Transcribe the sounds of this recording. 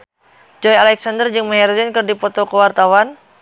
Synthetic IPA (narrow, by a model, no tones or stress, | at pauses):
d͡ʒɔjalɛksandərd͡ʒɨŋməɦɛrzɛnkɨrdipɔt̪ɔkəwart̪awan